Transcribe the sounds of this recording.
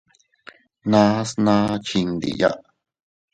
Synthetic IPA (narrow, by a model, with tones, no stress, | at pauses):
nã˦snã˦t͡ʃi˧nd̪ḭ˨ja̰˦ʔ